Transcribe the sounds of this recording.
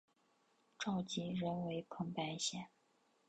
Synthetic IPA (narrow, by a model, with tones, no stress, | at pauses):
ʈ͡ʂɑ˥˩ʊt͡ɕi˧˥ɻə˧˥nwe˧˥ɪpʰɤ˧˥ŋpa˧˥ɪɕjɛ˨˩n